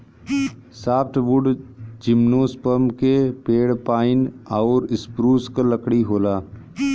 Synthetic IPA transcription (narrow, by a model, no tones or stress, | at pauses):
saːpʈ̪ʰʋʊɖd͡ʒɪmnoːspəmkepeːɽpaːɪnɔːɾɪspɾuːskləkɽiɦoːlaː